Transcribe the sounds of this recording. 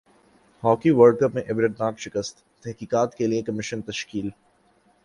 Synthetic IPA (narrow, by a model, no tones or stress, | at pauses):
hɔːkiʋəɾɖ̚kəpmẽʔɛʋɪɾəɖnaːkʃɪkəst̪ | t̪ɛɦkiːkaːt̪keliekɐmɪʃənt̪ɐʃkiːl